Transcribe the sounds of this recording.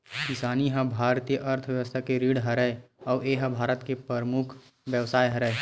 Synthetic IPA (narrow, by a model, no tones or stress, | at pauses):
kɪsaːniɦə̃bʱaːɾt̪ijəʔɐɾt̪ʰʋjəʋəst̪ʰakeɾiːɽɦɐɾəeɔːeːɦə̃bʱaːɾət̪kepɾəɾmʊkʰ | ʋjəʋsaːjɦɐɾəe